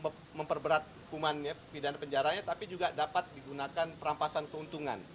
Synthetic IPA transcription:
ə | məmpərbəɾat̪̚ | kumanɲapidanapəɲd͡ʒaɾaɲat̪apid͡ʒuɡadapat̪̚diɡunakanpəɾampasankəunt̪uŋa̰n

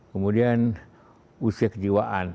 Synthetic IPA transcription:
kəmudian | usiakəd͡ʒiwaʔan

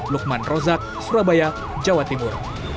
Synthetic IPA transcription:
luk̚manrɔzak̚suɾabaja | d͡ʒawat̪imur

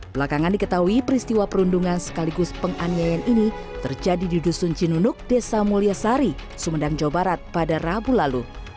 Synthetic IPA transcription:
bəlakaŋandikət̪aɦuipəɾist̪iwapəɾunduŋansə̥kaliɡʊspəŋʔaniajanini | t̪ərd͡ʒadidudusunt͡ʃinunʊk̚desamuliasaɾi | sumədaŋd͡ʒawabaɾat̪̚padarabulalu

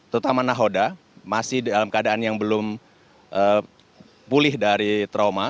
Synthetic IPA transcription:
t̪əut̪amanaɦoda | masɪhdalamkəadaʔːnjaŋbəlʊm | ʔə | pulɪhdaɾit̪ɾawma

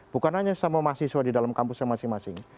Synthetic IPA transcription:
b̥ukanɦaɲasamamasiswadidalamkampusaŋmasɪŋmasɪŋ

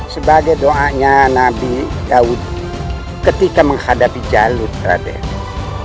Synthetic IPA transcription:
səbaɡajdoʔaɲanabidaud̪̚ | kət̪ikaməŋhadapid͡ʒalurɾa̰dɛ̰

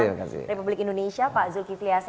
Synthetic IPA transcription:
makasḭɾepublikĩndonẽʃiapaʔzulkiflias

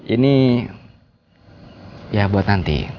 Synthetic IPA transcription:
ini | jabuat̪nant̪ḭ

